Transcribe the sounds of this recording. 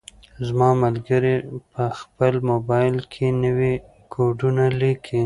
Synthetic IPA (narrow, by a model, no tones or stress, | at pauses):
zmɑmalɡəɾepəxpəlmobɑjlkʰenəwi | kʰoɖunalikʰi